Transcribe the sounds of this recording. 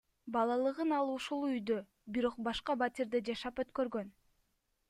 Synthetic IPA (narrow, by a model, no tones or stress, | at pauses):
bɑlˠɑlˠɯʁɯnɑlˠuʃulˠyjd̪ø | biɾo̞q̚bɑʃqɑbat̪ʲiɾd̪ed͡ʒɑʃɑpø̞t̪kø̞ɾɡø̞n